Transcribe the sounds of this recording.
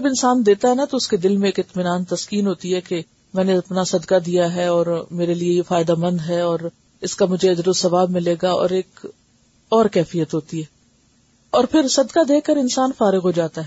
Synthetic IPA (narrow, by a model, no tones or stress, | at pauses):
d͡ʒɐbɪnsaːnd̪eːt̪aɦɛnat̪oʊsked̪ɪlmẽeːkɪt̪mɪnaːnt̪ɐskiːnɦoːt̪iɦɛke | mɛ̃ːneɐpnasɐd̪kad̪ijaɦɛɔːɾmeːɾelieefaːɪd̪amɐ̃nd̪ɦɛɔːɾ | ɪskamʊd͡ʒʱeɐd͡ʒɾosːɐʋaːbmɪ̃leːɡaɔ̰ːɾeːk | ɔːɾkɛːfijət̪ɦoːt̪iɦɛː | ɔːɾpʰɪɾsɐd̪kad̪eːkːəɾɪnsaːnfaːɾɪɣɦod͡ʒaːt̪aɦɛː